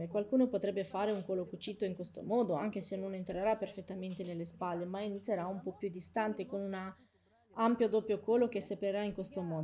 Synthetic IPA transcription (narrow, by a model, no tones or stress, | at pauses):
ekwalkuːnopot̪ɾɛbːefaːɾeuŋkoːlokut͡ʃːit̪ːoiŋkwest̪o̰mɔːd̪oaŋk̟esenːonent̪ɾeɾapːerfet̪ːament̪enelːespalːemainit̪sjeɾaumpɔpjud̪ist̪ant̪ekonuna | ampjod̪opːjokɔːlok̟esepeɾeɾaiŋkwest̪omɔː